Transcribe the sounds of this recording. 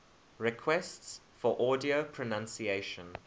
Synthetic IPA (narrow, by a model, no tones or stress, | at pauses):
ɹɛkʰwɛsts | fɔʔɔːdiopʰɹ̥ənãnsieɪʃə̃n